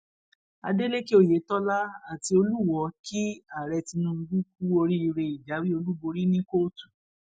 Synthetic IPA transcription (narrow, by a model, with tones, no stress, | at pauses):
a̰˧de˦le˦ki˦o˦˨je˨˦tɔ˦la˦a˨ti˧o˧lu˦˨wɔ˨˧˦ki˦a˦˨ɾɛ˧ti˧nũ˧ɡu˦k̚u˦o˧ɾi˦i˧ɾe˧i˨d͡ʒa˨˦wi˦o˧lu˦bo˧ɾi˦nĩ˦ko˦˨tu̥˨